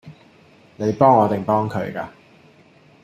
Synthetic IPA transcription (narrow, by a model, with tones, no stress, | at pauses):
ne˨˧jpɔː˥ŋɔː˨˧t̪ɪ˨˩ŋpɔː˥ŋkʰɵ˨˥ɥka̰ː˧